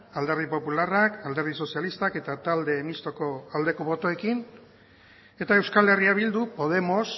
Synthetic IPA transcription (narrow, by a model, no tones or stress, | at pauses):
ald̪eɾðipo̞pularakald̪e̞ɾð̞iso̞sialist̪ake̞t̪at̪ald̪e̞mist̪o̞ko̞ald̪e̞ko̞βo̞t̪o̞e̞kin | e̞t̪ae̞wskale̞riaβild̪upo̞ð̞e̞mo̞s